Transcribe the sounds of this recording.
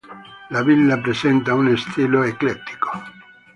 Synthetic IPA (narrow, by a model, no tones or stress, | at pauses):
lavilːapɾesɛnt̪aunest̪ʰiloeklet̪ːi̥ko̥